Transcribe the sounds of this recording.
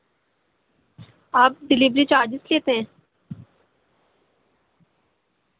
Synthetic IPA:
aːp̚ɖɪlibɾit͡ʃaːɾd͡ʒɪsleːt̪eɦɛ̃ː

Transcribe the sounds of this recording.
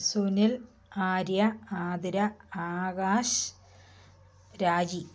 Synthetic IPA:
sunil | aːɾjɐaːd̪ɐɾɐaːɣaːʂ | ɾaːd͡ʑi

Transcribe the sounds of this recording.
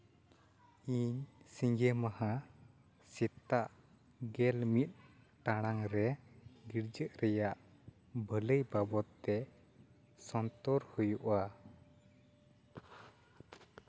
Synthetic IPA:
iɲsiŋɡɛmaha | sit̪aʔ | ɡɛlmit̪̚ˀ | ʈaɽ̃aŋɾɛɡiɾd͡ʒəʔɾɛjaʔ | bʱələjbabɔt̪ːɛ | sɔnt̪ɔɾhujuʔa

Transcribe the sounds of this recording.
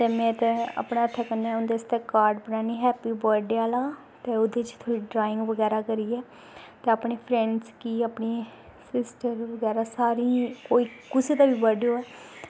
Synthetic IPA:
t̪eːmɛ̃ːt̪ɛ̃a̰pɳaːəʈ̪ʰːaːkənːaːʊ̃nd̪eːst̪ɛːkaːɾɖbənãːniːɦɛːpiːbəɾɖeaːlaː | t̪eːʊd̪eːt͡ʃt̪ʰoːiːɖɾaːɪ̃ŋɡʋəɡɛːɾaːkəɾiːɛː | t̪eːapɳeːpʰɾɛ̃ɳɖskiːaːpɳeː | sɪsʈəɾʋəɡɛːɾaːsaːɾiːkoːiːkʊseːd̪aːbiːbəɾɖjoːɛː

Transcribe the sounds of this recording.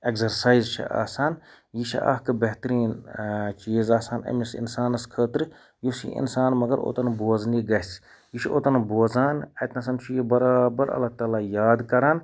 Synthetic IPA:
ekzɐɾsaːizt͡ʃʰɐ̰ʔa̰ːsaːn | jit͡ʃʰḭʔa̰ɦkɨbɐɦt̪ɾiːnt͡ʃiːzaːsaːnɐ̰misḭnsaːnɐskʰəːt̪ɾ | jusḭʔḭnsaːnmɐɡɐɾʔo̰ːt̪ɐnboːzniːɡɐs | jiʃʰo̰ːt̪ɐnboːzaːnɐt̪nɐs̬ɐnt͡ʃʰujibɐɾaːbɐɾɐ̰lːat̪aːlaːjaːd̪kɐɾaːn

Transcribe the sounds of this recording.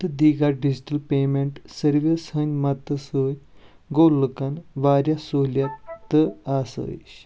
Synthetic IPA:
t̪ɨd̪iɡaɖid͡ʑʈəlpeːmeɳʈsəɾʋʲisɦənʲmat̪əsoːtʲ | ɡoːlːɨkanʋaːɾʲjasoljat̪ːəasə̰ɕ

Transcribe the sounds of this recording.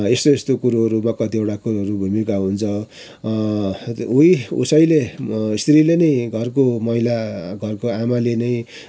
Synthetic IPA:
est̪oest̪okuɾuʌɾumakʌt̪ieʈakuɾɦʌɾubʱumikaɦunt͡sʰʌ | ujṵsʌjleist̪ɾilenʌjɡʱʌrkomʌɦilaɡʱʌrkoamalenʌj̃

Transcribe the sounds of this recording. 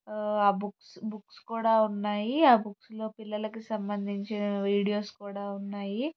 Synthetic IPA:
aːbuksbukskuːɽaːunːaːjiaːbukslo̞ːpilːɐlɐkusɐmbɐnd̪ʱiɲt͡ʃinɐʋiːɽijoːskuːɽaːunːaːji

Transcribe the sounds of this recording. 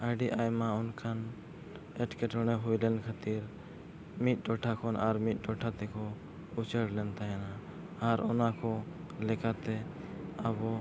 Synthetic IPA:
ajɖiʔajmãʊnkʰan | ɛʈkeʈʰɔɽ̃ɛɦujlɛnkʰat̪iɾ | mit̪̚ˀɖɔʈʰakʰɔnʔaɾmit̪̚ˀɖɔʈʰat̪ɛkʰɔ | ut͡ʃəɽlɛnt̪aɦɛna | aɾɔ̰nakʰɔlɛkʰat̪ɛəbɔ

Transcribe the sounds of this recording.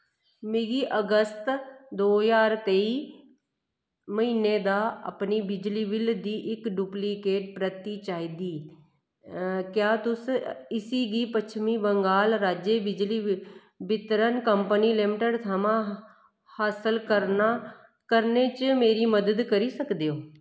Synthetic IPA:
meːɡiːʔəɡəst̪d̪oːjaːɾt̪eːi | məɦiːneːd̪aːə̰pniːbɪd͡ʒliːbɪld̪iːʔɪkɖuːplikeːʈ̚pɾət̪it͡ʃaːid̪iː | kjaːt̪ʊsɪsiːɡiːpət͡ʃʰmiːbəŋɡaːlɾaːd͡ʒeːbɪd͡ʒliː | bɪt̪ɾənkəmpəniːlɪmʈəɖt̪ʰamãː | haːsəlkəɾnaː | kəɾneːt͡ʃmeːɾiːməd̪əd̪kəɾiːsəkd̪eːoː

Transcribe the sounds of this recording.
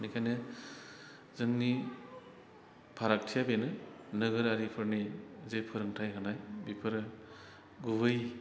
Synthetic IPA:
nikʰajnɯ | zɯŋni | pʰaɾak̚tʰijabenɯnɯɡɯɾaɾipʰɯɾnizejpʰɯɾɯŋtʰajɦanajbipʰɯɾɯ | ɡubɯj

